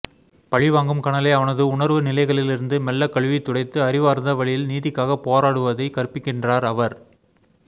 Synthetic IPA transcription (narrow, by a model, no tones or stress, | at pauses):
pɐɻɪʋaːŋɡɯmkɐɳɐleːɐʋɐnɐðɯʊɳɐɾʋɯnɪlɐɪɣɐɭɪlɪɾɯnd̪ɯmɛlːɐkːɐɭʋit̪ːʊɽɐɪt̪ːɯɐɾɪʋaːɾnd̪ɐʋɐɭɪjɪlniːðɪkːaːɣɐpoːɾaːɽɯʋɐðɐɪkɐrɯpːɪkːɪndraːɾɐʋɐɾ